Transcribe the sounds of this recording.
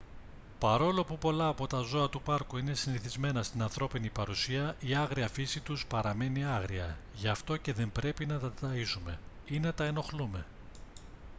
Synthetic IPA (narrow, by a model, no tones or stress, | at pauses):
pɐɾo̞lo̞pupo̞lɐːpo̞t̪ɐzo̞ɐt̪upɐɾkuine̞siniθizme̞nɐst̪inɐnθɾo̞pinipɐɾusiɐʔiɐɣɾiɐfisit̪uspɐɾɐme̞niɐɣɾiɐ | ʝɐft̪o̞ce̞ðe̞mbɾe̞pinɐt̪ɐt̪ɐisume̞ | ine̞t̪ɐe̞no̞xlume̞